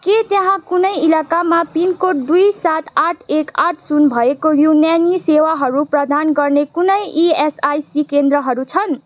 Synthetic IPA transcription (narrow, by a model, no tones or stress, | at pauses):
ket̪jeɦãkunʌjilakamapinkoʈ̚d̪ujsat̪aʈʰekaʈʰsunbʱʌekojunjanisewaɦʌɾuprʌd̪ʱanɡʌrnekunʌjiesajsikend̪ɾʌɦʌɾut͡sʰʌn